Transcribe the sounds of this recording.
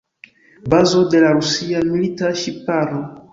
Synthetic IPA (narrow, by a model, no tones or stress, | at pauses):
bazodelaɾusiamilitaʃipaɾɔ